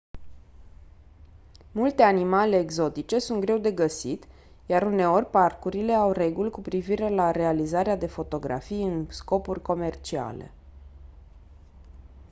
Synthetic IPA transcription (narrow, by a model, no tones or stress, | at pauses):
mult̪e̞animale̞ːɡzo̞t̪it͡ʃe̞sunt̪̚ɡɾe̞wd̪e̞ɡəsit̪ | jaɾune̞o̞rʲparkuɾile̞awre̞ɡulʲkupɾiviɾe̞laɾe̞alizaɾead̪e̞fo̞t̪o̞ɡɾa̰fijɨnsko̞purʲko̞me̞rt͡ʃia̰le̞̰